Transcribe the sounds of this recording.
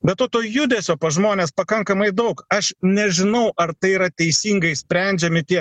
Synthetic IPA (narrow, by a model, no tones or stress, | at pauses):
bʲɛt̪toːt̪oːjʊd̪ʲɛsʲoːpɐʒmoːnʲeːspɐkɐŋkɐmɐɪd̪ɐʊkɐʃnʲɛʒʲɪnɐʊʔɐɾt̪ɐɪiɾɐt̪ʲɛɪsʲiːŋɡɐɪsʲpʲɾʲɛnʲd͡ʒʲɛmʲɪt̪ʲiɛ